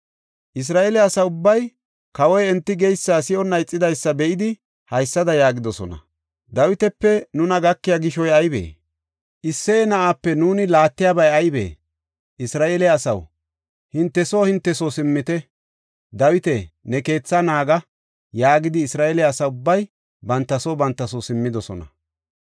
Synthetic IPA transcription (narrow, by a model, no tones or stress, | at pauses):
ʔɪs̬ɾaːʔelɛɐsɐʊbːɐj | kɐwɔjɛnt̪ːɪɡɛjsːaːsɪʔɔnːɐjt͡sʼːɪd̪ɐjsːɐbɛʔɪd̪ɪ | hɐjsːɐd̪ɐjaːɡɪd̪ɔsɔ̰nɐ̰ | d̪ɐwɪt̪ɛpːɛnʊnɐɡɐkːɪjaɡɪʃɔjɐjbḛː | ʔɪsːeːnɐʔapːɛnuːnɪlaːt̪ːɪjaːbɐjɐjbḛː | ʔɪsɾaːʔelɛːsɐ̰w | hɪnt̪ːɛsoːhɪnt̪ːɛsosɪmːɪt̪ɛ | d̪ɐwɪt̪ɛnɛke̞ːt͡sːɐnaːɡɐ | jaːɡɪd̪ɪːsɾaːʔelɛːsɐʊbːɐj | bɐnt̪ːɐsobɐnt̪ːɐsosɪmːɪd̪ɔsɔ̰nɐ̰